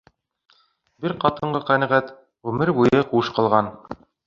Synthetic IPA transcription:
bɘɾqɑt̪ɤ̆ɴɢɤqænæʁæt̪ | ʁʉmɘɾbujɤquʃqɤ̆lˠʁɑn

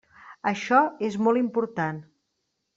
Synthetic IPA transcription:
əʃɔezmɔlˠimpuɾt̪an

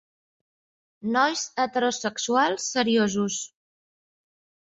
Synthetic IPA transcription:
nɔjsət̪əɾosəksualˠsːəɾiozus

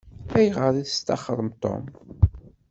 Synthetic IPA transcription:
æjʁəɾiθəst̪ɑχəɾˤəmt̪ˤːo̰m

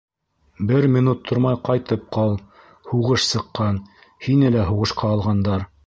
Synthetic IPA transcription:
bɘɾmʲinut̪ʰːoɾmɑjqɑjt̪ɤp̚qɑlˠ | huʁɤʃsɤ̆qːɑn | hinɘlæɦuʁɤ̆ʃqɑːlˠʁɑnd̪ɑɾ

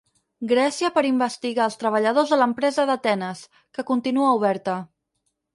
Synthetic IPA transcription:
ɡɾɛsiəpəɾimbəst̪iɣaːlˠst̪ɾəβ̞əʎəð̞ozðələmpɾɛzəðət̪ɛnəs | kəkunt̪inuəuβ̞ɛɾt̪ə

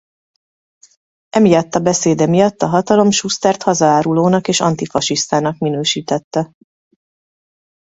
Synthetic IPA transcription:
ʔɛmijɒt̪ːɒbɛseːd̪ɛmijɒt̪ːɒɦɒt̪ɒlo̞mʃust̪ɛrt̪hɒzɒaːɾuloːnɒkeːʃɒ̰nt̪ifɒʃiʃt̪aːnɒkminøːʃiːt̪ɛt̪ːɛ

